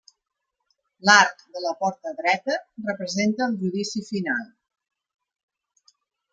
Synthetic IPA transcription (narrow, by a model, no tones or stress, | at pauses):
laɾkd̪ələpɔɾt̪əðɾɛt̪ərəpɾəzent̪əːlˠʒuðisifinalˠ